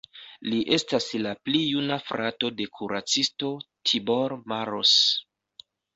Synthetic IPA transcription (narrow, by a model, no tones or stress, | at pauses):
liʔe̞staslaplijunafɾato̞de̞kʰuɾat͡sisto̞tʰibo̞ɾmaɾo̰s